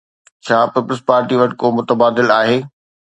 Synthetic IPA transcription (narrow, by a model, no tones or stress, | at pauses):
t͡ɕʰaːpiːpələspaːɾʈiʋɐʈkomʊt̪əbaːd̪ɪlaːɦeː